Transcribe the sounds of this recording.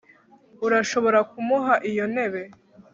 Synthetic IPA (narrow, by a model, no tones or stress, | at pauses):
uɾaʃo̞βo̞ɾakumuɦaʔijo̞ne̞βe̞